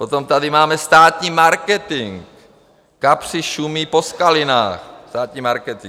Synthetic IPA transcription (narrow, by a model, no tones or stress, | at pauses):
pot̪omt̪adɪmaːmɛst̪aːt̪ɲiːmaɾkɛt̪ɪŋkː | apr̥ɪʃumiposkalɪna̰ːxst̪aːt̪ɲiːmaɾkɛt̪ɪŋ